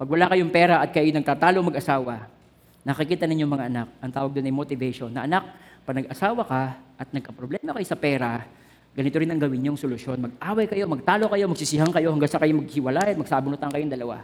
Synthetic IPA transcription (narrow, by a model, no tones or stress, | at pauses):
pɐɡ̚wɐlakɐjoŋpɛɾɐʔɐt̪̚kɐjɐjonɐɡ̚t̪aːt̪aːlomɐɡʔɐsaːwɐ | nɐkɪkiːt̪ɐnɪɲjomɐŋaʔɐnak̚ʔɐŋt̪aːwɐɡ̚d̪onɐjmot̪ɪvɛʃonːɐʔɐnak̚pɐnɐɡʔɐsaːwɐkɐʔɐt̪̚nɐɡ̚kɐpɾoblɛːmɐkɐjosɐpɛːɾɐ | ɡɐnɪt̪oɾɪnɐŋɡɐwɪnɲoŋsolʊʃo̞nmɐɡ̚ʔaːwɐjkɐjo̞mɐɡ̚t̪aːlokɐjo̞mɐɡ̚sɪsɪɦaŋkɐjo̞hɐŋɡaŋsɐkɐjomɐɡ̚hɪwɐlajɐt̪mɐɡ̚saːbʊnʊt̪aŋkɐjoŋd̪ɐlɐwa̰